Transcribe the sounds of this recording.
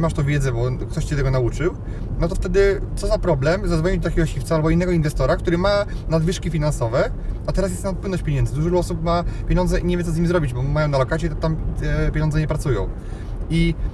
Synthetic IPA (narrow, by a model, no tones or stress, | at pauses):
ɛmaʂt̪ɔ̃vʲjɛd̪zɛbɔkt̪ɔɕt͡ɕɛt̪ɛɡɔnaut͡ʂɘw | nɔt̪ɔft̪ɛd̪ɘt̪sɔzapɾɔblɛmzad̪vɔɲid̪ɔt̪akʲɛɡɔɕift̪saalbɔinːɛɡɔinvɛst̪ɔɾak̚t̪uɾɘma | nad̪vɘʂkʲifʲinansɔvɛat̪ɛɾas̬jɛst̪napwɘnɔɕt͡ɕpʲeɲɛnd̪zɘd̪uʐɾuɔsupmapʲjeɲɔnd̪zɛʔiɲevʲjɛt̪sɔzɲimizɾɔbʲid͡ʑbɔmajɔw̃nalɔkatsʲjɛt̪ɔt̪amt̪ɛpʲjeɲɔnzɛɲɛpɾat̪sujɔ̰̃w̃ | i